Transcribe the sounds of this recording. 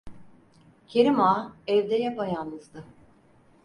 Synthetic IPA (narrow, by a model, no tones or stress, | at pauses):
cʰeɾimaːɛvd̪ɛjapajanɯzd̪ɯ